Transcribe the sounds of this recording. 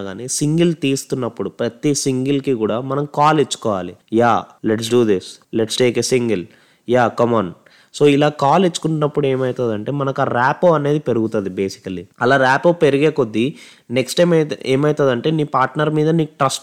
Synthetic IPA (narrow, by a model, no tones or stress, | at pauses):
ɡaːneːsiŋɡilt̪iːst̪unːɐpːuɽupɾɐt̪isiŋɡilkikuːɽaːmɐnɐmkaːlet͡ʃːu̥kɔːʋaːlijaːleʈs̬ɖuːd̪isleʈsʈe̞ːkesiŋɡel | jaːkɐmaːn | so̞ːilaːkaːlet͡ʃːu̥kuɳʈunːɐpːuɽe̞ːmɐjit̪ɐd̪ɐɳʈe̞ːmɐnɐkaːɾaːpoːɐne̞ːd̪ipe̞ɾuɡut̪ɐd̪ibe̞ːsi̥kɐlːiɐlaːɾaːpoːpe̞ɾiɡeːko̞d̪ːi | neksʈeːmeːmɐjt̪ɐːd̪ɐɳʈe̞ːniːpaːɾʈnɐɾmiːd̪ɐniːʈɾɐsʈ